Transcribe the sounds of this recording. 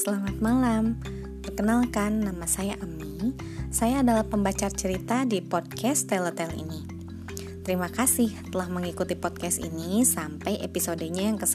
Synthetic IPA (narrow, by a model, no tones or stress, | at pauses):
səlamat̪̚malam | bərkənalkanːamasajaʔəmi | sajaːdalahpəmbat͡ʃart͡ʃəɾit̪adipɔd̚kɛst̪elət̪ɛlḭni | t̪əɾimakasɪht̪əlahməŋikut̪ipɔd̚kɛst̪ḭnisampajʔepisodəɲajaŋkəs